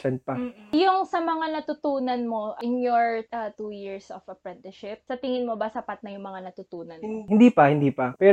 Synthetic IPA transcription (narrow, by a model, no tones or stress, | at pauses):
ɛnpɐjʊŋsɐmɐŋanɐt̪ʊt̪uːnɐnmo̞ʔɪnjoɹʔɐt̪uːjiɹsɔfɐpɾɛnt̪ɪʃɪp̚sɐt̪ɪŋɪnmobɐsɐpat̪̚nɐjʊŋmɐŋanɐt̪ʊt̪uːnɐnhɪnd̪iːpɐhɪnd̪iːpɐpɛ